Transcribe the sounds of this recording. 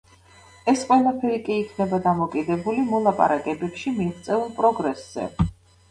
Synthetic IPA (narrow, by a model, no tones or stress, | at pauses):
ɛsqʼwɛlˠapʰɛɾikʼiːkʰnɛbad̪amɔkʼid̪ɛbulimɔlˠapʼa̰ɾakʼɛbɛpʃimiʁt̪sʼɛulˠpʼɾɔɡɾɛsz̥ɛ̰